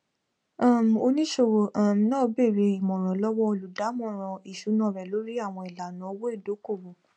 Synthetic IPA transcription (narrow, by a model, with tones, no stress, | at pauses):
ã˦˨m̩˨o˧nĩ˦ʃo˧˨wo˨ʔa˦˨m˨nã˦˨˧be˦˨ɾe˧i˨mɔ̃˨ɾ̃ɔ̃˨lɔ˦wɔ˦o˧lu˨da˨˦mɔ̃˦˨ɾ̃ɔ̃˨i˨ʃu˨˦nã˦˨ɾɛ˨lo˨˦ɾi˦a˦˨w̃ɔ̃˧i˨la˨nã˨˦o˧wo˦e˦˨do˨˦ko˦˨wo˨